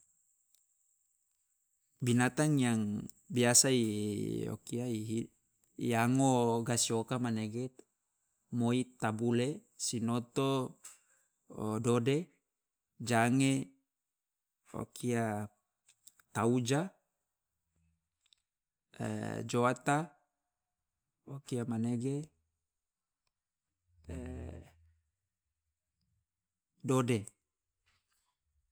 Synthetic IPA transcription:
binat̪aŋjaŋ | biasaio̰kiaiɦi | iaŋoɡasiokamaneɡe | moit̪abulesinot̪o | dode | d͡ʒaŋe | o̰kʰia | t̪aud͡ʒa | d͡ʒoat̪a | okiamaneɡe | dode

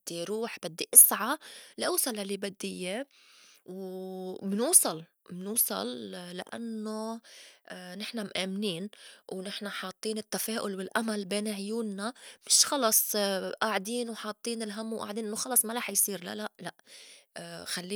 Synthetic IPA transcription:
d̪̥ːiɾuːħbɪd̪ːiʔɪsʕalʔuːsˤɑlalibad̪ːɪjːe | w | mnuːsˤɑl | mɪnuːsˤɑ̰lːa̰ʔa̰nːo | nɪħnamʔaːmniːnwnɪħnaħɑːt̪ˤːiːnɪt̪ːafeːʔʊlwɪlʔamalbeːnʕjuːnnamɪʃxɑlɑsˤʔaːʕd̪iːnwħɑːt̪ˤːiːnɪlɦamːwʔa̰ːʕd̪iːnʔɪnːoxɑlɑsˤmaɾɑːħjsˤiːɾla̰laʔlaʔ | xalːiː

